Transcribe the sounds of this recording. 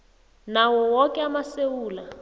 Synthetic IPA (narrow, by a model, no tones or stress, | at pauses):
nawɔwɔkʼɛamasewuːla